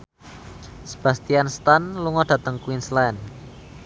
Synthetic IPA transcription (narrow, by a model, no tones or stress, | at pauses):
sə̥b̥ä̤st̪ianst̪anluŋɔɖ̥ä̤t̪əŋkwinslɛn